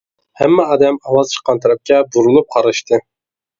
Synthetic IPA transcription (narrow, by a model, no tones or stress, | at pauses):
hæmːɛɦɑd̪ɛmɑwɑzt͡ʃʰə̥qːɑnt̪ʰɑɾɛp̚kʲɛbuɾunup̚qʰɑɾɨʃt̪ʰɨ